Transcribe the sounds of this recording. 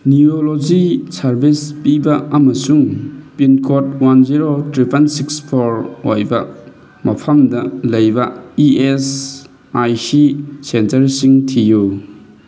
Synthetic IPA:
niolod͡ʒisɐɾbʱispibɐɐmɐsuŋpinkʰot̚wanziɾotɾipʰɐnsikspʰoɾojbɐ | mɐpʰɐmdɐlɐjbɐies | ajsisentɐɾsiŋtʰiju

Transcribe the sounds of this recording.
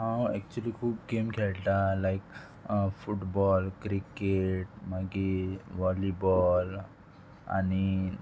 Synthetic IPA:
ɦãwɛk̚t͡ɕuəliːkʰuːb̚kemkʰɛlʈ̪alajk | fuʈbɔlkɾikeʈmaɡiʋɔlibɔl | a̰ni

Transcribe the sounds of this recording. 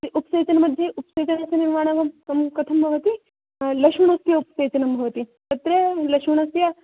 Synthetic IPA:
t̪iʔupseːt͡ʃɐnmɐd̪ʱːeʔupseːt͡ʃɐnɐseniɾmaːɽ̃ɐɡɐmɐmkɐt̪ʰɐmbʱɐʋɐt̪i | lɐʂmɐɳust̪jɐupseːt͡ʃɐnɐmbʱɐʋɐt̪it̪ɐt̪ɾelɐkʂmuɳɐsja

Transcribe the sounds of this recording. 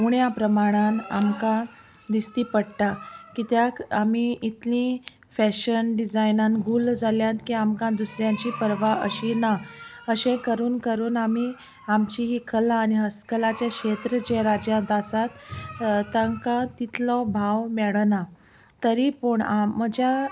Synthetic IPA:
muɳjapɾəmaɽ̃ãna̰mkã | d̪ist̪iːpəɽʈ̪akit̪jakamiit̪lĩ | fæɕənɖid͡zajnanɡʱuːld͡zʱaljãnt̪kiamkãd̪usɾjãɲt͡ɕiːpəɾʋaʔə̰ɕinaəɕẽkəɾuːnkəɾuːnami | amt͡ɕiɦiːkʰəlaːniɦəskəlat͡ɕjakɕet̪ɾəd͡ʑeɾad͡ʑjãnt̪asat̪t̪ːaŋkãt̪it̪lɔbʱaʋmɛɭna | t̪əɾipuɳaːəd͡ʑa

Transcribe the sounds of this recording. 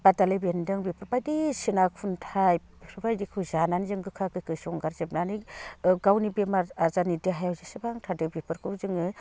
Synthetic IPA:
b̥atalebendɯŋbipʰɯɾbajdisinakʰuntʰaj | bpʰɯbajdikʰɯwzananizɯŋɡɯkʰakɯkʰɯsɔŋɡaɾzep̚naniɡawnibemaazanidiɦajawzisɯbaŋtʰadɯbipʰɯɾkʰɯwzɯŋɯ

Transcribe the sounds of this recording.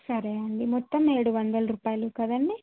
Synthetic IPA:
sɐɾeːɐɳɖimɔt̪ːɐme̞ːɽuʋɐnd̪ɐlɐɾuːpaːjɐlukɐd̪ɐɳɖi

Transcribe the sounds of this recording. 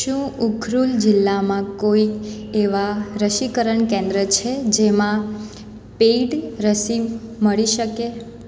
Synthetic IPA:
ʃũukʰɾuld͡ʒɪlːamãkoikeʋaɾəʃikəɾəɳkẽnd̪ɾət͡ʃʰed͡ʒemã | peiɖɾəsiməɭiʃəke

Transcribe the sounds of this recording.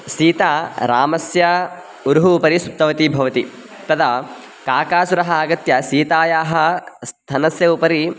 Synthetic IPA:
siːt̪aːɾaːmɐsjɐ | uɾɦuːpɐɾisut̪ːɐʋɐt̪ibʱɐʋɐt̪i | t̪ɐd̪ɐ | kaːkaːsuɾɐɦɐːɡɐt̪jɐsiːt̪aːjaːɦɐst̪ʰɐnɐsjɐupɐɾi

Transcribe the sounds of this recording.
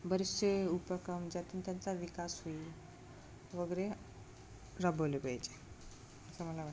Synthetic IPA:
bəɾiseupəkəmd͡ʑat̪int̪jant͡saʋikasɦoi | ʋəɡəɾe | ɾəbʱolepət͡ʃe̥ | əsaməlaʋa

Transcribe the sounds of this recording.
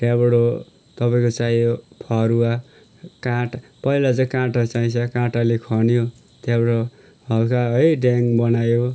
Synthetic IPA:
t̪abɽo | t̪ʌpaĩkot͡sajopʰʌɾua | kãʈpʌilat͡sʌ̃kãʈat͡saĩt͡sʰʌkãʈalekʰʌnijo | t̪abʌɽo | hʌlkʰaʌɖaŋbʌnajo

